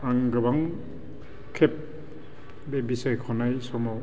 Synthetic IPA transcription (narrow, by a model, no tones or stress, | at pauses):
aŋɡɯbaŋ | kʰep̚ | bebisajkʰɔnajsɔmaw